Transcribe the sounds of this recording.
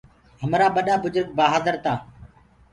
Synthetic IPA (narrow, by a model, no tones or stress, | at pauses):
ɦəmɾaːɓəɗaːbʊzʊɾɡ̚baːɦaːzəɾt̪aː